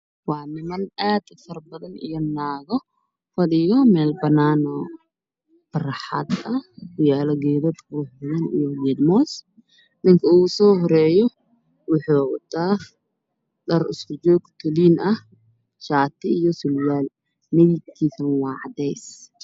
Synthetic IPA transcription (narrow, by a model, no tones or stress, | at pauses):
wɑːnɪmɐnaːd̪fɐrbɐðɐnḭjɔnaːɣɔ | fɐɽɪjɔmɛːlbɐnaːnɔ | b̥ɐrħɑ̰d̪ɐʊjaːlɔɡɛːðɐd̪ruħbɐðɐnḭjɔɡɛːd̪mɔːs | nɪŋkʰɐuːsɔːɦɔɾɛːjɔ | wʊħuːwɐ̰t̪ʰaː | ɖɐrɪ̰skʰʊd͡ʒɔːɡt̪ʰʊliːnɐh | ʃaːt̪ʰɪijɔsʊljaːl | mɛjɪt̪̚kʰiːsɐnwɑːʕɑd̪ɛjs